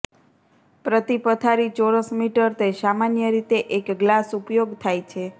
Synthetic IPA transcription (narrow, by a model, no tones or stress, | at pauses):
pɾət̪ipət̪ʰaɾit͡ʃoɾəsmiʈəɾt̪esamanjəɾit̪eʔekɡlasupjoɡt̪ʰajt͡ʃʰe